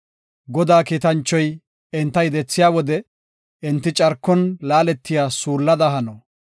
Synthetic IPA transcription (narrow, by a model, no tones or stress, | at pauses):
ɡɔd̪aːkiːt̪ɐnt͡ʃːɔj | ɪnt̪ːɐjd̪ɛt͡sːɪjaːwɔd̪ɛ | ɪnt̪ːɪt͡ʃʼɐɾkːɔnlaːlɛt̪ːɪjaːsuːlːɐd̪ɐɦɐnɔ